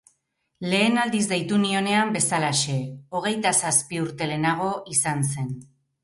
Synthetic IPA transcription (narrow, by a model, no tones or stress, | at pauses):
le̞ːnald̪izd̪ejt̪unio̞ne̞ambe̞salaʃe̞o̞ɣ̞e̞jt̪asaspiuɾt̪e̞le̞naɣ̞o̞ʔisanse̞n